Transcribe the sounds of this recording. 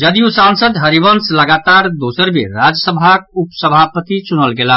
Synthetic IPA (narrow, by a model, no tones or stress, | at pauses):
d͡ʒəd̪ijusãnsəd̪ɦəɾibənsləɡat̪aɾd̪osəɾbḛɾad͡ʒəsəbʱak̚upsəbʱapət̪it͡ʃunəlɡela